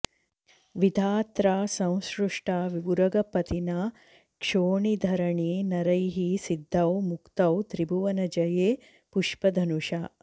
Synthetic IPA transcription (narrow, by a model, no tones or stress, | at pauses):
ʋid̪ʱaːt̪ɾaːsɐ̃w̃sɾuʂʈaːʋiʋuɾɐɡɐpɐt̪ina | kʂoːɳid̪ʱɐɾɐɳiːnɐɾɐjɦisid̪ʱːɐwmukt̪ɐwt̪ɾibuʋɐnɐd͡ʒɐjeː | puʂpɐd̪ʱɐnuʂaː